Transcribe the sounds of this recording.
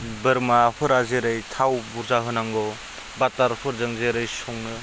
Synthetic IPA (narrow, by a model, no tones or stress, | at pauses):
bɯɾmaɸʰɯɾazeɾɯjtʰawbuɾzaɦɯnaŋɡɔ | bataɾpʰɯɾzɯŋzeɾɯjsɔŋɯ